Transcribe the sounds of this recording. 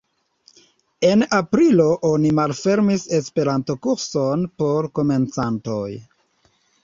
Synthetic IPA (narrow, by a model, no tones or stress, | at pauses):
e̞napɾilo̞ʔo̞nimalfe̞ɾmise̞spe̞ɾanto̞kuɾso̞npo̞ɾko̞me̞nt͡santo̞j